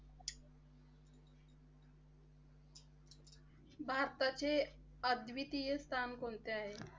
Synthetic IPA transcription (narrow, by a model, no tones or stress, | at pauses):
bʱaɾt̪at͡ɕe | əd̪ʋit̪ijəst̪ʰankont̪eaɦe